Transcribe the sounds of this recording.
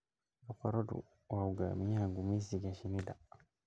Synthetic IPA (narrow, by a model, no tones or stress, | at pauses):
ɔkaɾɔdṵ | wauɡa̰miaŋɡumisiɡaʃinida